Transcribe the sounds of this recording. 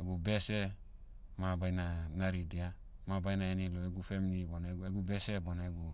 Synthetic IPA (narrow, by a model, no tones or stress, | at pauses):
eɡubese | mabajnanaɾidia | mabajnaeniloeɡufemiliboneeɡubeseboneɡu